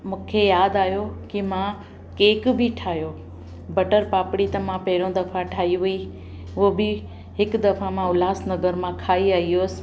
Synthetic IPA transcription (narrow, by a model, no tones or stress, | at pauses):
mũːkʰejaːd̪aːɦjokimã | keːkbʱɪʈʰaːɦjoː | bɐʈəɾpaːpɽit̪ɐmãpɐɦɪɽõd̪ɐfʰaʈʰaːɦiʊi | obɪ | ɦɪkd̪ɐfãmãʊlaːsnɐɡəɾmãkʰaːiaːioːsɪ̥̆